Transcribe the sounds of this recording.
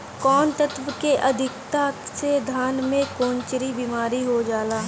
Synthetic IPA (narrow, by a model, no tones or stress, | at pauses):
kɔːnt̪ət̪ʋəkeʔɐd̪ʱɪkt̪ased̪ʱaːnmẽkõːnt͡ʃɾibiːmaːɾiɦod͡ʒaːlaː